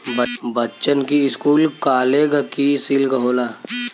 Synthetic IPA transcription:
bbətːt͡ʃənkiɪskuːlkaːleɡəkisiːlɡəɦoːlaː

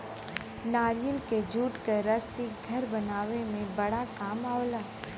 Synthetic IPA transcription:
naːɾjəlked͡ʒʱuːʈkəɾɐsiɡʱɐɾbɐnaːʋemẽbɐɽakaːmaːolaː

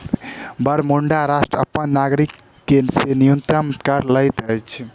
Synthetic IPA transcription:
bəɾmoɳɖaɾasʈɾə̰pːənːaɡɾikː | esenijunt̪ɾəmkəɾləjt̪əjt͡ʃʰ

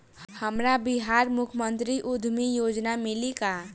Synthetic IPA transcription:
hhəmɾabɪɦaːɾmʊkʰmənt̪ɾiʔʊd̪ʱmijoːd͡ʒnamɪlika

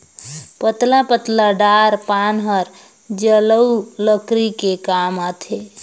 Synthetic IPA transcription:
pət̪lapət̪laɖaɾpanɦəɾ | d͡ʒələwləkɾikekamat̪ʰe

